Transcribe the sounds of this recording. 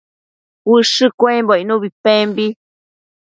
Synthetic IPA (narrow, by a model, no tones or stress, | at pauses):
wɨʂɨkʷẽmboinũβipẽmbi